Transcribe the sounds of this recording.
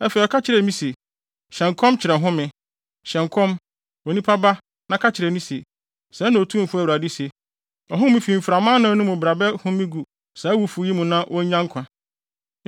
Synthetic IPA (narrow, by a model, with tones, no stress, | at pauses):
ɛ˦fe˨ɔ˨kʰa˦t͡ɕʰɪ˨ɾɛ˨˦mĩ˦se˨ | ɕɛ̃˨ŋkʰɔ̃˦mt͡ɕʰɪ˨ɾɛ˨ɦʊ̃˦mɪ̃˨ | ɕɛ̃˨ŋkʰɔ̃˦m | o˨nĩ˦pʰa˦ba˦ | nã˦kʰa˦t͡ɕʰɪ˨ɾɛ˨mĩ˦se˨ | sɛ˨˦nã˨o˨tʰũ˦m˨fʊ˦æ˨wu˨ɾa˨di˦se˨ | ɔ˨ɦʊ̃˦mĩ˦fi˨m̩˨fɾa˨mã˦nã˨ɔ˨˦nʊ̃˦mʊ̃˨bɾa˨bɛ˦hʊ̃˦mĩ˦ɡu˨ | sɛ˨æ˦wu˦fu˨˦ji˦mũ˨nã˦wʔɔ˦ɲã˦ŋ˦kʷʰã˨